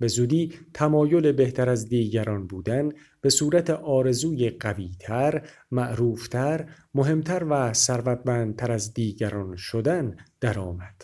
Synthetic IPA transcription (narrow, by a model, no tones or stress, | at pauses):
be̞zuːd̪iːt̪ʰæmɒːjo̞le̞be̞ht̪ʰæɾæzd̪iːɟæɾɒːnbuːd̪æn | b̥e̞suːɾæt̪ʰe̞ʔɒːɾe̞zuːjeɢæviːt̪ʰæɾ | mæʔɾuːft̪ʰæɾ | mo̞ɦe̞mt̪ʰæɾvæsæɾvæd̪̚mæːnd̪̚t̪ʰæɾæzd̪iːɟæɾɒːnʃod̪ænd̪̥æɾɒːmæd̪̥